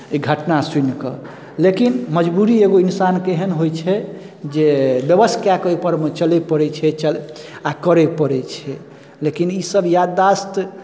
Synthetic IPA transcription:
iɡʱəʈnasinkə | lekinməd͡ʒbuɾieɡoinsankeɦənɦojt͡ʃʰɛ | d͡ʒebjəbəst̪ʰjakəepəɾmet͡ʃəlɛpəɾɛt͡ʃʰɛt͡ʃəl | akəɾɛpəɾɛt͡ʃʰɛ | lekinisəbjad̪ast̪

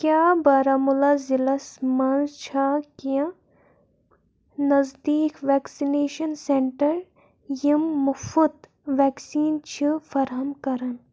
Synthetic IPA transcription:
kjaːbɐɾamulaːzilɐsmant͡ʃʰaːkijã | nɐzd̪iːkʋɛːksineːʃɐnseɳʈɐɾ | jimːʊfut̪ | ʋɛːksiːnt͡ʃʰifɐɾɦɐmkɐɾɐn

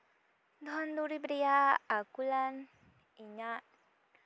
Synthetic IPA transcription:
d̪ɔɦand̪uɾibɾiaakulan | iɲaʔ

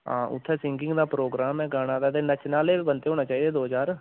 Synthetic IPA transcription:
ɦã̰ːʔʊ̰t̪ʰːɛːsɪ̃ŋɡɪ̃ŋɡd̪aːpɾoːɡɾaːmɛ̃ːɡaːɽ̃ãːd̪aːt̪eːnət͡ʃnaːleːbənt̪eːɦoːɽ̃naːt͡ʃaːiːd̪eːd̪oːɦəd͡ʒaːɾ

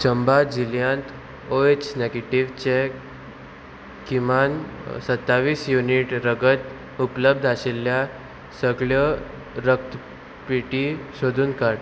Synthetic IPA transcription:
t͡ɕəmbad͡ʑiljãnt̪ | oet͡ɕneɡeʈiʋt͡ɕe | kimansət̪ːaʋiːsjuniʈɾəɡət̪ | upləb̚d̪ʱaɕelːja | səɡɭjə | ɾək̚t̪ | piʈiɕod̪ʱuːnkaɽ

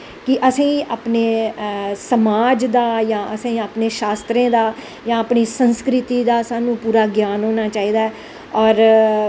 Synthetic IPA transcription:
kɪʔəsĩːaːpneː | səmaːd͡ʒd̪aːjãːʔəsẽiaːpneːʃaːst̪ɾẽːd̪aː | jãːaːpniːsənskɾɪt̪iːd̪aːsaːnũːpuːɾaːɡjaːnɦoːnaːt͡ʃaːiːd̪aːɛ | ɔːɾ

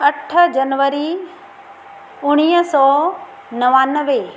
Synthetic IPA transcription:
ɐʈʰəd͡ʒɐnʋəɾi | ʊɽ̃iːɦsɔː | nɐʋaːnəʋe

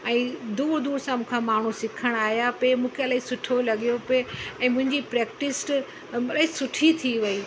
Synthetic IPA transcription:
ɛ̃ːd̪uːɾd̪uːɾsãmũːkʰamaːɳ̤usɪkʰəɽ̃aːɦjapemũːkʰeɐlaːɦisʊʈʰolɐɠijopeɛ̃ːmʊ̃ɦɪ̃ɲd͡ʑipɾeːkʈɪsʈ | ɐlaːɦisʊʈʰit̪ʰiʋɐiː

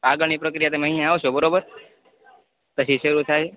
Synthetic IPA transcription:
aɡəɽnipɾəkɾijat̪emeɦĩjãaʋoʃobəɾobəɾ | t̪əʃʰiʃəɾut̪ʰaj

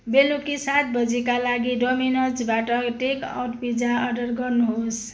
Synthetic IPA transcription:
belukisat̪̚bʌd͡zʱikalaɡiɖominʌsbaʈʌʈeka̰wʈpid͡zaʌɾɖʌɾɡʌɾnuɦos

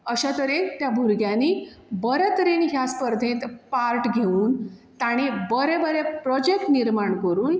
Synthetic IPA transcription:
əɕat̪əɾet̪jabʱuɾɡjãniːbəɾɛt̪əɾenɦjaspəɾd̪ʱẽt̪paɾʈɡʱeuːnt̪aɽ̃ibəɾebəɾepɾɔd͡ʑek̚ʈniɾmaɳkəɾuːn

